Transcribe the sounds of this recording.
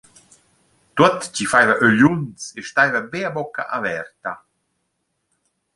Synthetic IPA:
t̪ut̪t͡ɕifajvaʔøʎunt͡seʃt̪ajvabeabɔka̰ʔavɛɾt̪a

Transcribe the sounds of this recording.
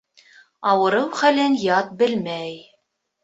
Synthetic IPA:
ɑwɤ̆ɾɤwχælɘnjɑt̪̚bɘlmæj

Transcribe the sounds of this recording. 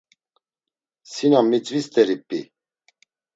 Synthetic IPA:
sinamːit͡sʼvist̪ʰʼɛɾipʼːḭ

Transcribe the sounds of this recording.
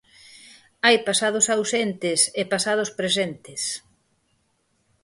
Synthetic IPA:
ajpasað̞ʊsawsent̪ɪsepasað̞ʊspɾesent̪ɪs

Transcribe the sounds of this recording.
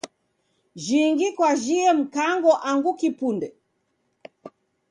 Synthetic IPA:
ʒiŋɡikwaʒiɛm̩kaŋɡɔʔaŋɡukipundɛ

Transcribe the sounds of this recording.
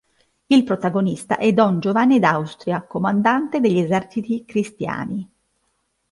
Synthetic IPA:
ilpɾot̪aɡonist̪a̰ʔɛd̪ɔnd͡ʒovanːed̪awst̪ɾjakomand̪ant̪ed̪eʎːezɛrt͡ʃit̪ikɾist̪ja̰ːni

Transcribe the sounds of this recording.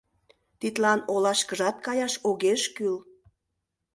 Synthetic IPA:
t̪it̪lɑnolɑʃkəʒɑt̪̚kɑjɑʃoɣeʃkyl

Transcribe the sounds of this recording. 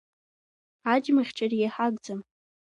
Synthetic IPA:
ad͡ʒmaχʲʈ͡ʂʰaraħaɡd͡zam

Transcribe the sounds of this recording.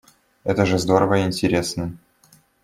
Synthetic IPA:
ɛt̪əʐɨzd̪o̞ɾəvəɪnʲtʲɪɾʲesnə

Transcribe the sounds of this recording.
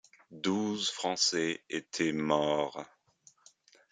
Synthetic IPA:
d̪uzfχɑ̃sɛet̪ʰɛmɔʁ

